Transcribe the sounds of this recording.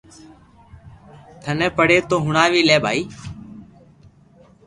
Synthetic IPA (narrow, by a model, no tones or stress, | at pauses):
t̪ʰəneːpəɽeːt̪oːɦʊɳaːʋiːleːbʱaːiː